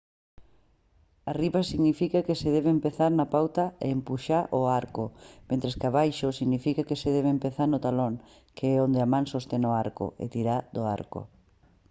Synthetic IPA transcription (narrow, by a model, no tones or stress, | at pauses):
ariβasiɣnifikakeseðɛβempeθaɾnapawt̪aeːmpuʃaɾʔʊaɾkʊmẽnt̪ɾeskaβajʃʊsiɣnifikakeseðɛβempeθaɾnʊt̪aloŋ | kʰeɛond̪eamãŋsost̪enoaɾko̰ḛt̪iɾaðoa̰ɾkʊ̰